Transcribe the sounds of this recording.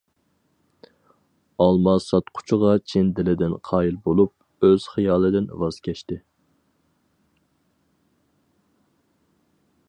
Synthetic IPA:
ɑlˠmɑsɑt̪qʰʊ̥t͡ʃʰʊʁɑt͡ʃʰɪnd̪ɪlɪd̪ɪnqʰɑːjilˠbolˠup̚ | øz̥χijɑːlˠɨd̪ɪnvɑz̥kʲʰɛʃt̪ɪ

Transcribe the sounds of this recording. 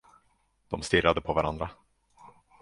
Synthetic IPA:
d̪̥ɔmst̪ɪrːad̪əpʰɔvaɾa̰nd̪ɾa

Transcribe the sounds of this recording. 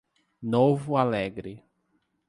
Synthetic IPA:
novʊalɛɡɾɪ

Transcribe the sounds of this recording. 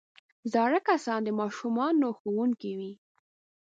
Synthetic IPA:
zɑɽəkasɑnd̪əmɑʃumɑnːoxowuŋkiwi

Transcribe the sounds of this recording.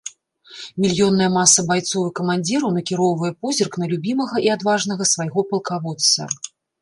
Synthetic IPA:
mʲilʲjɔnːɐjɛmasɐbajt̪sɔvɨkɐmanʲd͡zʲiɾɐwnɐkʲiɾɔwvɐjɛpɔzʲirknɐlʲubʲimɐɣɐiad̪vaʐnɐɣɐsvajɣɔpɐlˠkavɔt̪sːɐ̰

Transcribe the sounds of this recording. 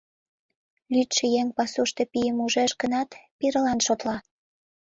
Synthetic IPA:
lyt̪ʃĕjeŋpɑsuʃt̪e̽pijəmuʒeʃɡənɑt̪piɾəlɑnʃot̪lɑ

